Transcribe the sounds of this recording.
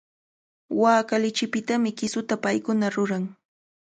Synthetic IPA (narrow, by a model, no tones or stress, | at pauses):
waːkalɪt͡ʃɪpɪt̪amɪkɪsʊt̪apajkʊnaɾʊɾaŋ